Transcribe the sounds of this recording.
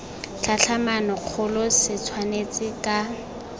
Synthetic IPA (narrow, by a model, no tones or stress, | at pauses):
ɬʰaɬʰamanɔq͡χʰʊlʊsɪt͡sʰwanet͡sʼɪkʼa